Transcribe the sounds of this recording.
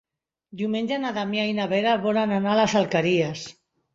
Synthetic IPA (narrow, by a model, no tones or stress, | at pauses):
d̪iumeɲʲd͡ʒanaðamiajnaβeɾaβolananalasalkaɾias